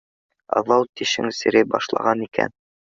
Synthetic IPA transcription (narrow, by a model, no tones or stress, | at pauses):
ɑ̰ðɑwt̪iʃɘ̰ŋsɘ̆ɾɘbɒʃlˠɑ̰ʁɑnikæ̰n